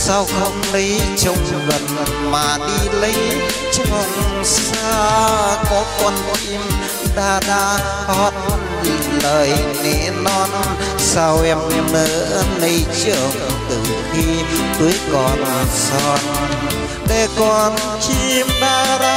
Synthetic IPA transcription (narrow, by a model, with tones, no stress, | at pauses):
sa˧wxə˧ŋ͡mɗə˨˦jt͡ɕə˧wŋ͡m | ɣə˨˩n | maː˨˩ɗi˧lə˨˦j | t͡ɕə˧ŋ͡ms | aː˧kɔ˨˦kwə˧nki˧m | ɗaː˧ɗaː˧ | hɔ˧˩t̚ | ləː˨˩jnḛ˧˩nɔ˧n | sa˧wʔɛ˧m˧mɗəː˧˦nə˧jt͡ɕɨ˧˩əŋt̪ɨ˨˩xi˧ɗ̪ɨ˨˦əjkɔ˨˩nsɔ˧˩n | t̪e˧˩kɔ˧˩n | kʰi˧mɗaː˧ɗa˧